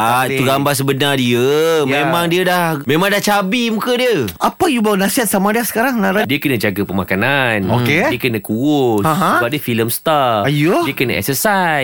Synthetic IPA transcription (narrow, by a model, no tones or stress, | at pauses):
ait̪uɡambas̬əbənardiəmẽmãŋdiədahmẽmãŋdaht͡ʃabimukədiəapəjubawunasiɦat̪̚samadiasə̥kaɾaŋnaɾadiəkənə̃d͡ʒaɡapəmakananokeiəkənəkuʊsãɦãəbap̚diəfiləmst̪aajoiəkənəɛ̰ksəsaj